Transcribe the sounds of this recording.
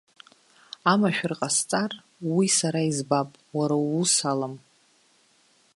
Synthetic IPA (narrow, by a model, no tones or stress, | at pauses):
amaʃᶣrqʼast͡sʼar | wisaɾaizbapʼ | waɾawusalam